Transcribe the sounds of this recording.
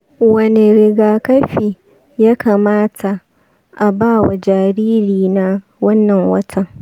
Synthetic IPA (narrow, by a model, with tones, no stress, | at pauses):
wɐ˨ne˨ɾɪ˨ɡaː˨kɐ˦ɸiː˨ | ja˦kʰaː˨maː˦tʰa˨ | ʔa˨baː˦˨wa˨d͡ʒaː˨ɾiː˦ɾiː˨na˦ | wɐ˦nːɐ˨ŋwɐ˦tʰɐ˦ŋ